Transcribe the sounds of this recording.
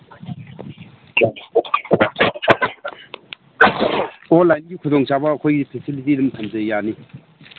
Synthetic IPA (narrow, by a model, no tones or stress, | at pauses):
ɔlajnɡikʰʊzɔŋt͡ʃabakʰɔjɡipʰesilit̬ilɐmt̪ʰɐmzəjani